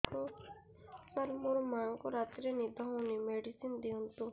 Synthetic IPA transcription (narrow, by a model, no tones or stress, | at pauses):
ko | səɾmoɾmaŋkoɾat̪ɾenid̪ʱɔɦunimeɖisind̪iɦɔnt̪u